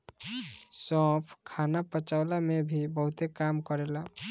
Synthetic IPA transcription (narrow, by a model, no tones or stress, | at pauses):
sɔ̃pʰkʰanapət͡ʃaʊlamebʱibəɦut̪ekamkəɾela